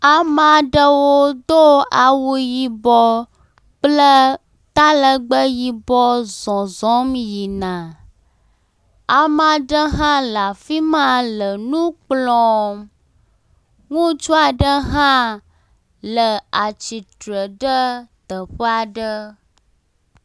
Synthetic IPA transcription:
a˨mã˨ɖə˦wo˦d̪o˦a˨wu˦ji˦bɔ˦ | k͡plə˦ | t̪a˦lə˨ɡ͡bə˦ji˦bɔ˦zɔ̃˨zɔ̃˦mji˨nã˨ | a˨mã˨ɖə˦ɦã˦la˨fi˦mã˦lə˨nũ˦k͡plɔ̃˦m | ŋũ˦t͡ʃu˦a˨ɖə˦ɦã˦ | lə˨a˨t͡ʃi˨t̪ɾə˨ɖə˦t̪ə˨ɸə˦a˨ɖə˦

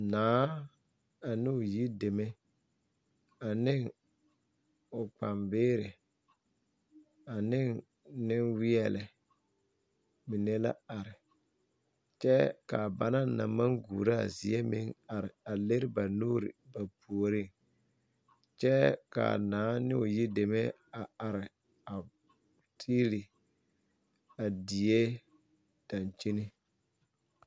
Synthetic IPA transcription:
naː˨˦ | a˨nɪ˦ʊ˨ji˦de˨me˦ | a˨nɪ˦ŋ | ʊ˨k͡pa˨mbɪː˦ɾɪ˨ | a˨nɪ˦ŋ | nɪ˦nwɪ˦ɛ˦˨lɪ˨ | mi˨ne˦la̰˦a˨ɾɪ˨ | t͡ʃɛ˦ka̰˨ba˨na˦na̰˨ma˦ŋɡṵː˨ɾa̰˦˨zi˨ɛ˦mɪ̰˦ŋa˨ɾɪ˨a˨le˦ɾɪ˦ba˨nuː˦ɾɪ̰˨ba˨pʰu˨o˨ɾɪ˦ŋ | t͡ʃɛ˦ka̰˨naː˨˦nɪ˦ʊ˨ji˦de˨mɛ˦ | a˨a˨ɾɪ˨ | a˨ | tʰiː˦ɾi˨ | a˨di˨je˦ | d̥a˨nt͡ʃi˦ni˦

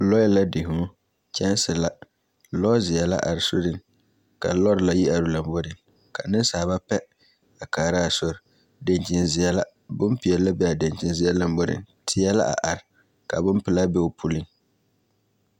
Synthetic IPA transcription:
lɔ˦jɛ˦la˦dɪ˨ɦʊ˨˦ | t͡ʃɛ˦n˦sɪ˨la˦ | lɔ˦zɪ˨ɛ˨la̰˦ʔa˨ɾɪ˨so˦ɾɪ˦ŋ | ka̰˨lɔ˦ɾla˦ji˦ʔa˨ɾʊ˨˦la˨mbɔ˦ɾɪ˨ŋ | ka˨nɪ˦n˦saː˨ba˦pɛ˦ | a˨kaː˨ɾa˦˨sɔ˨ɾ | de˨nt͡ʃɪ˨nzɪ˨ɛ˦la˦ | bʊ˦mpɪ˨ɛ˨la˦bɛ˦a˨de˨nt͡ʃɪ˨nzɪ˨˦ɛ˦la˨m˦bɔ˦ɾɪ̰˨ŋtʰɪ˦jɛ˦la̰˦ʔa̰˨ʔa˨ɾɪ˨ | ka˨bʊ˦mpɪ˨la˦bɛ˦o˨pʰu˦lɪ˦ŋ

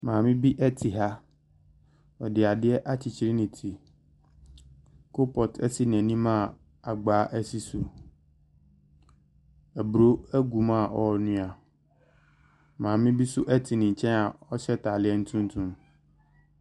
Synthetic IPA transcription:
mãː˨mɪ̃˦bi˦ʔɛ˦tʰi˨ɦa˦ | ɔ˨dɪ˨a˨dɪ˦ɛ˦ʔa˦t͡ɕʰi˨t͡ɕʰi˨ɾi˦nɪ̃˨tʰi˨ | kʰo˦pʰɔ˨tʰɛ˦si˦n˨ɛ̃˨nĩ˦mã˦˨ | a˨ɡ͡baː˨˦ʔæ˦si˦su˨ | æ˨bɾo˦æ˦ɡu˨mã˦˨ʔɔ˨ɔ˨nʊ̃˦a˨ | mãː˨mɪ̃˦bi˦sʊ˦ʔɛ˦tʰi˨nɪ̃˨ɲ̩˨t͡ɕʰɛ̃˦na˨ɔ˦ɕɛ˦tʰa˨lɪ˦ɛ˦n̩˦tʰũ˦n˦tʰũ˦m

